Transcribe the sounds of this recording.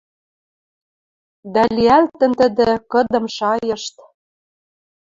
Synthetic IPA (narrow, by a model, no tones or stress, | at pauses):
d̪æliælt̪ə̆nt̪ə̆d̪ĕkɤ̆d̪ɤ̆mʃɑjɤ̆ʃt̪